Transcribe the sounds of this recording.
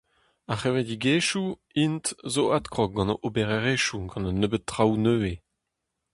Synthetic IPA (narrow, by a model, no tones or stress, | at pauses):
aχevɛdiɡeːʃu | intzoat̪kʁɔk̚ɡɑ̃noʔobeʁeʁeʃuɡɑ̃nənːøbət̚ːʁawnøːe